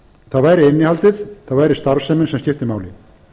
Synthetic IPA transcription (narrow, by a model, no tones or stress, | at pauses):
θaðvaːjɾɪɪnːɪhalt̪ɪθθaðvaːjɾɪst̪aɾsɛmɪnsɛmscɪft̪ɪmaːwlɪ